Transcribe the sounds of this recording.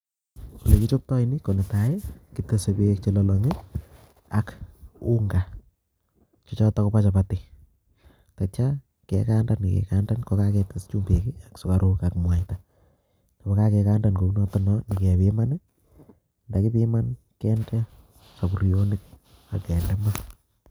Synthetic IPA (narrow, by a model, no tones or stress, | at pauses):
kulekit͡ʃop̚tɔinikonetajɛkitesebek̚t͡ʃolɔlɔŋe | akuŋɡa | t͡ʃɔt͡ʃatakopat͡ʃapati | tat͡ʃa | kɛ̰kandanikɛ̰kandankɔkakɛtɪst͡ʃumpekiaksokaɾukakmwajta | ndabɔkakɛkandankounɔtɔnɔnikɛpɪman | ndakipiman | kɛnɡɛ | sabuɾijonɪk̚ | a̰kɛndɛma